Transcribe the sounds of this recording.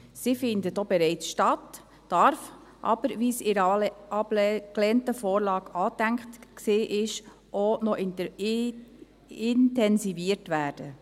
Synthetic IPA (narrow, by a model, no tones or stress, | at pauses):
sifɪndətobɛɾɛɪt͡sʃtɑt | d̥ɑɾf | ʔɑ̰b̥əɾʋisɪɾəʔɑbklɛːntəfoːɾlɑːɡɑːtæŋktksiːʔɪʃ | ʔonɔʔ | ɪntɛnsiviəɾtʋæːɾd̥ə